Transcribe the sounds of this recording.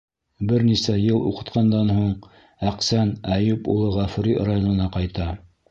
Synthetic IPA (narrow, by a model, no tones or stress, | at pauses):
bɘɾnisæjɤlˠṵqɤ̆t̪qɑnd̪ɑnhuɴ | æqsænæjʉpulˠɤʁæfuɾirajonɤ̆nɑqɑjt̪ɑ